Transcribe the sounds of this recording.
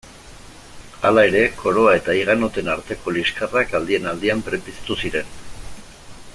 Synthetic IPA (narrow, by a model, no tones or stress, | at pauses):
alae̞ɾe̞kʰo̞ɾo̞ae̞t̪aiɣ̞ano̞t̪e̞naɾt̪e̞ko̞liskarakald̪ie̞nald̪iampɾe̞pisḁt̪usiɾe̞n